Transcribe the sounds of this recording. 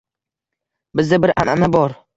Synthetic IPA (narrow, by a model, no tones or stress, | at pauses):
bɪzd̪abɪɾʔa̰nanabɒɾ